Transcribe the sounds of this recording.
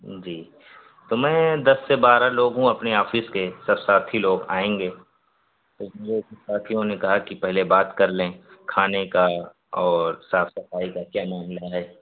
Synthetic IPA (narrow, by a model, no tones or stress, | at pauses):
d͡ʒiː | t̪omɛ̃ːd̪ɐsːebaːɾaloːɡɦũɐpniaːfɪskesɐbsaːt̪ʰiloːɡa̰ːẽːŋɡeː | t̪omeːd͡ʒessaːt̪ʰijõnekɐɦakipɛɦlebaːt̪kɐɾlẽkʰaːneka | ɔːɾsaːfsɐfaːikakjaːnaːnlɐaeː